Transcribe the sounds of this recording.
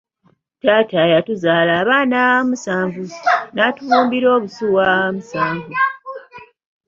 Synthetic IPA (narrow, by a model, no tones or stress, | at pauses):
taːtajatuzaːlaːβaːnamusaːɱvunatuβuːmbiɾo̞ːβusuwamusaːɱvu